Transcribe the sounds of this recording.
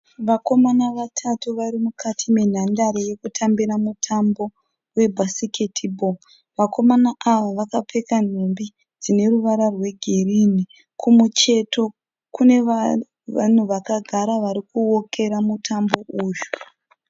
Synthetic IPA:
ʋako̞manaʋatʰatuʋaɾimukʰatʰimen̤andaɾeje̞kutʰambiɾamutʰambo̞ | we̞bʱasiketʰibo | ʋako̞manaʔaʋaʋakape̞kan̤embi | d͡zine̞ruʋaɾarwe̞ɡʱe̞rini | kʰumut͡ʃe̞to̞ | kune̞ | an̤uʋakaɡʱaɾaʋaɾikuwo̞kʰe̞ɾamutʰambo̞ʔuːʒu̥

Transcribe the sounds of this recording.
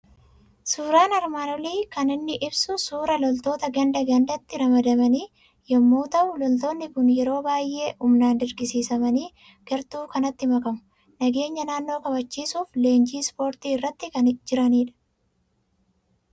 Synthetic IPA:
suːɾaːnɐɾmaːnɔliːkɐnɪnːɪʔɪbsʊsuːɾɐlɔlt̪o̞ːt̪ɐɡɐnd̪ɐɡɐnd̪ɐt̪ːɪɾɐmɐd̪ɐmɐniː | jɐmːuːt̪ɐʔʊlɔlt̪o̞ːnːɪkʊnjɛɾo̞ːbaːjʔe̞ːʔʊmnaːnd̪ɪɾɡɪsiːsɐmɐniː | ɡ̥ɐɾt̪uːkɐnɐt̪ːɪmɐkɐmʊ̥ | nɐɡe̞ːɲːɐnaːnːo̞ːkɐbɐt͡ʃːiːsuːfle̞ːnd͡ʒiːspo̞ːɾt̪iːɪrːɐt̪ːɪkɐnd͡ʒɪɾɐniːᶑɐ̥

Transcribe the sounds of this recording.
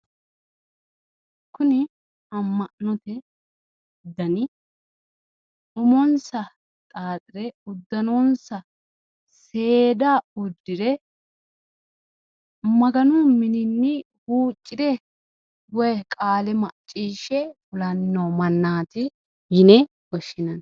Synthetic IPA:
kʊnɪ | ɐmːɐʔnɔt̪ɛ | d̪ɐnɪ | ʊmɔnsɐ | t̪ʼaːt̪ʼɪɾɛʊd̪ːɐnonsɐ | se̞ːd̪aʊd̪ːɪɾɛ | mɐɡɐnʊmɪnɪnːɪ | huːt͡ʃʼːɪd̪ɛ | wɔjkʼaːlɛmɐʔt͡ʃʼːiːʃɛfʊlɐnːɐmɐnːaːt̪ɪ | jɪnɛ | ɡɔʃːɪnɐn

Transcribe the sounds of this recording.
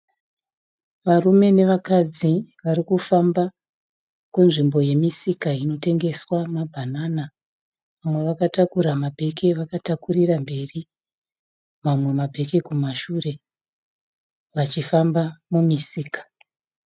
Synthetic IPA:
ʋarume̞ne̞ʋakad͡ziʋaɾikufamba | kunʐimbo̞je̞misikaino̞te̞ŋɡe̞swamabʱanana | ʋamwe̞ʋakatakuɾamabʱe̞ke̞ʋakatakurirambe̞ri | mamwe̞mabʱe̞kekumaʃure̞ | ʋat͡ʃifambamumisiːkḁ

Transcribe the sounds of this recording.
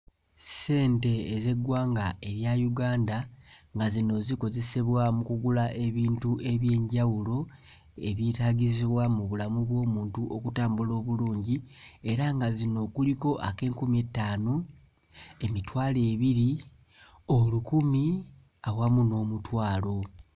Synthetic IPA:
se̞ːnte̞ːze̞ɡwaːŋɡae̞βjajuɡaːndaŋɡazino̞ziko̞ze̞seβwamukuɡulaʔe̞βiːntue̞βje̞ːɲɟawulo̞ | e̞βjitaːɟiziβwamuβulamuβwo̞ːmuːntuʔokutaːmbulo̞ːβuluːɲɟie̞ɾaŋɡazino̞kuliko̞ʔake̞ːŋkumie̞tːaːno | e̞mitwaːle̞ːβiɾi | o̞lukumi | awamuno̞ːmutwaːlo̞

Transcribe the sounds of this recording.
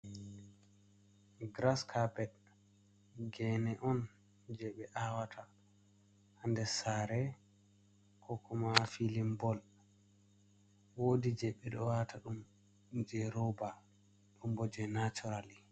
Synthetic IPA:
ɡɾaskʰabɛd | ɡɛnɛʔɔn | d͡ʒɛɓɛʔawatʰa | handɛsaɾɛ | kʰɔkʰɔmafilimbɔl | woːdid͡ʒɛɓːɛɗɔwatʰaɗum | d͡ʒɛɾɔba | ɗumbɔd͡ʒɛnat͡ʃɔɾali

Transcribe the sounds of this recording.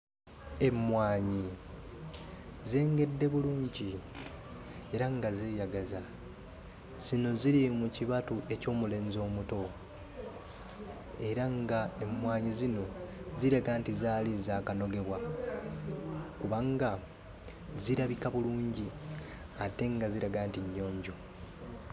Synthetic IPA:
e̞mːwaːɲi | zeːŋɡe̞dːe̞βuluːɲɟi | e̞ɾaŋɡazeːjaɡaza | z̥ino̞ziɾimuciβatuʔe̞co̞ːmule̞ːnzo̞ːmuto̞ | e̞ɾaŋɡae̞mːwaːɲizino̞ziɾaɡaːntizaːlizaːkano̞ɡe̞βwa | kuβaŋɡa | ziɾaβikaβuluːɲɟi | ate̞ŋɡaziɾaɡaːntiɲːo̞ːɲɟo̞

